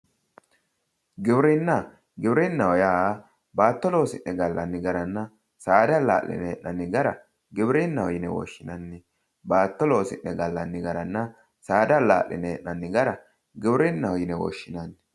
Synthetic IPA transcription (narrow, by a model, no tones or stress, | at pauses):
ɡɪbɾɪnːɐ | ɡɪbɾɪnːɐwɔjaː | baːt̪ːɔloːsɪnːɛɡɐlːɐnːɪɡɐɾɐnːɐ | saːd̪ɐla̰ːlɪ̰nɛɛʔnɐnːɪɡɐɾɐ | ɡɪbɾɪnːɐwɔjɪnɛwɔ̰ʃːɪnɐnːɪ | baːt̪ːɔloːsɪ̰nːɛɡɐlːɐnːɪɡɐɾɐnːɐ | saːd̪ɐla̰ːʔlɪ̰nɛʔɐnːɪɡɐɾɐ | ɡɪbɾɪnːɐwɔjɪnɛwɔ̰ʃːɪnɐnːɪ